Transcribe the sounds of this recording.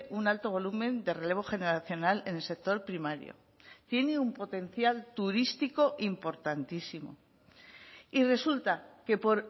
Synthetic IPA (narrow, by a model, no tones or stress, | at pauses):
ʔunalt̪o̞β̞o̞lumẽ̞nd̪e̞re̞le̞β̞o̞xe̞ne̞ɾaθjo̞nale̞ne̞lse̞k̚t̪o̞ɾpɾimaɾjo̰ | t̪je̞neumpo̞t̪e̞n̟θjalt̪uɾist̪iko̞ʔimpo̞ɾt̪ant̪isimo̞̰ | ire̞sult̪ake̞po̞ɾ